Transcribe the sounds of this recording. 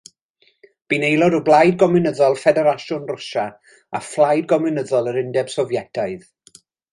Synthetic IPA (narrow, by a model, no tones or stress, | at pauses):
b̥inejlˠɔɾɔblˠajd̚ɡɔmɪnəðɔlˠfɛdɛɾaʃʊnrʊʃa | aflˠajd̚ɡɔmɨnəðɔlˠəɾɪndɛb̥sɔvjɛdʰaɨð